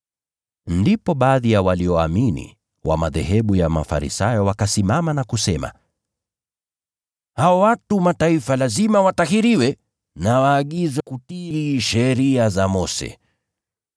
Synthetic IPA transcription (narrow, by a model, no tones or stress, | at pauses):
ndipɔɓaːðijawaliɔaminḭ | wa̰maðɛ̰ɦɛɓujama̰fa̰ɾḭsajɔwakasimamanakusɛma̰ | haɔwatumataifalazimawatahiɾiwɛ | nawaːɠizɛkutiiʃɛɾiazamɔsɛ̰